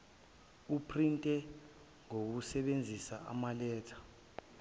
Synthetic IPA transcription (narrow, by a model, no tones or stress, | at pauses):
upʰrintʼɛ | ŋok̬usɛɓend͡zʱisaa̰malɛːtʰḁ